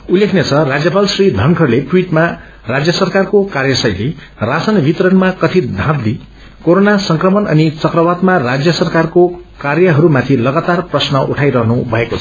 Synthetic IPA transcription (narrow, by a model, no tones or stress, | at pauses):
ulekʰnet͡sʰʌrad͡zjʌpalsrid̪ʱʌŋkʰʌrleʈwiʈma | rad͡zjʌsʌrkarkokarjʌsʌjle | rasʌnbit̪ɾʌnmakʌt̪ʰid̪ʱãt̪li | koɾonasʌŋkrʌmʌnʌ̰nit͡sʌkrʌbad̪marad͡zjʌsʌrkarkokarjʌɦʌɾumat̪ʰilʌɡat̪arprʌsnʌʔuʈʰajɾʌɦnubʱʌekot͡sʰʌ̥